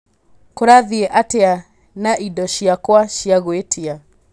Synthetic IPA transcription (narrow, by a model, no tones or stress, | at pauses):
koɾaðiɛʔatea | naʔidɔʃjakwaʃjaɣwetʰia